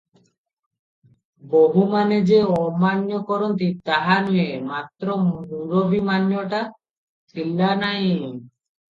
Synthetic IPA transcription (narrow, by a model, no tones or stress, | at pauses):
boɦumaned͡ʑeɔmanjokɔɾont̪it̪aɦanuemat̪ːɾouɾobʱimanjoʈa | t͡ɕʰilːanaj